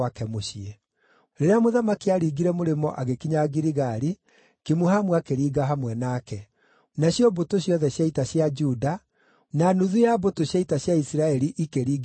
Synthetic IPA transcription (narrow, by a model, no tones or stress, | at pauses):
akɛmoʃie | ɾeɾeamoðamakiaɾiɡiɾɛmoɾemɔʔaɣekiɲaɡiɾiɣaɾi | kimuhamwakeɾiːɡaɦamwɛnaːkɛ | naɕjɔbotoɕjɔðɛɕjaitaɕjad͡ʒuda | nanuðujabotoɕjaitaɕjaisiɾaɛɾiʔikeɾiːɡ